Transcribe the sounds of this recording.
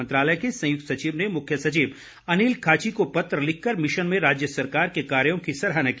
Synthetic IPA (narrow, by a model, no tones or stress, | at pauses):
nt̪ɾaːləekesɐ̃jʊk̚t̪sɐt͡ʃiːʋnemʊkʰjəsɐt͡ʃiːʋ | ɐniːlkʰaːt͡ʃikopɐt̪ɾəlɪkʰːɐɾmɪʃənmẽɾaːd͡ʒjəsɐɾkaːɾkekaːɾjõkisɐɾɦaːnɐki